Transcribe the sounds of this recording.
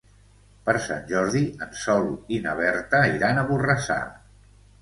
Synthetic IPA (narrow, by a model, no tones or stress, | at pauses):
pəɾsa̰nʲʒɔɾðiənsɔlinəβ̞ɛɾt̪əiɾanəβurəsa̰